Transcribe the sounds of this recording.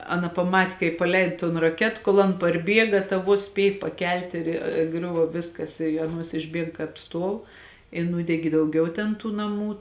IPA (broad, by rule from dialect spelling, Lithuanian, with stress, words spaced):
ˈɑːˌnɐ pɐˈmɐtʲ kɐɪp pɐˈlʲɛɪt toːn rɐˈkʲɛt ˈkoːlˠ ɐn pɐrʲˈbʲiɛɡɐ tɐ ˈʋuɔs ˈsʲpʲiɛj pɐkʲɛlʲtʲ ɪr ˈɡrʲʊʋoː ˈʋʲɪskɐs ɪ ɐˈnuɔs ɪʒʲˈbʲiɛk kɑːp ˈstuɔw ɪ ˈnuːdʲɛɡʲɪ dɐʊˈɡʲɛʊ tʲɛn ˈtuː nɐˈmuː